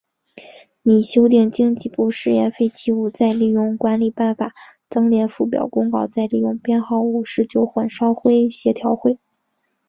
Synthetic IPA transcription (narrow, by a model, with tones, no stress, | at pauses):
ni˨˩ɕjo˥ʊt̪̬i˥˩ŋt͡ɕi˥ŋt͡ɕi˥˧pu˥˧ʂɻ̩˥˧jɛ˥˧nfe˥˧ɪt͡ɕi˥u˥˩t͡sa˥˧ɪli˥˩jʊ˥˩ŋkwa˧˥nli˨˩pa˥˩nfa˨˩˦ | t͡sɤ˥ŋljɛ˧˥nfu˥˩p̬jɑ̰˨˩ʊkʊ˥ŋkɑ˥˧ʊt͡sa˥˧ɪli˥˩jʊ˥˩ŋpjɛ˥˧nxɑ˥˩ʊu˥˩ʂɻ̩˥˩t͡ɕjo˥˩ʊxə˨˩nʂɑ˥ʊxwe˥ɪ˩ɕjɛ˧˥t̪ʰjɑ˧˥ʊxwe˥˩ɪ